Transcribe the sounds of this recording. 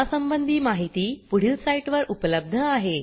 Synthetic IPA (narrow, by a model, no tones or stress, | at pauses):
asəmbənd̪ʱiːmaɦit̪iːpuɽ̤ilsaiʈʋəɾupələb̚d̪ʱəaɦe